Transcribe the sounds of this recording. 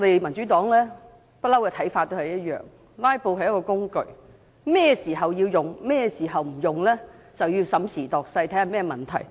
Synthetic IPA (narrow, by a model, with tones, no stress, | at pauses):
ɔ˧d̪e˨jmɐ˨˩nt͡ʃyː˨˥t̪ɔː˨˥ŋlɛː˥ | pɐ˥t̚lɐ˥wkɛː˧t̪ʰɐ˨˥jfaː˧t̚t̪ːo˥whɐ˨˩jɐ˥t̚jœ̰ː˨ŋ | laː˥jpo˧wɦɐ˨jɐ˥kɔː˧kʊ˥ŋkɵ˨˧ɥ | mɛː˥˧siː˨˩ɦɐ˨wjiː˧wjʊ˨ŋmɛː˥˧siː˨˩ɦɐ˨wm̩˨˩jʊ˨ŋlɛː˥ | t͡sɐ˨wjiː˧wsɐ˨˥msiː˨˩t̪ɔː˨˩k̚sɐ˧jt̪ʰɐ˨˥haː˨mɛː˥mɐ˨˩nt̪ʰɐ̰˨˩j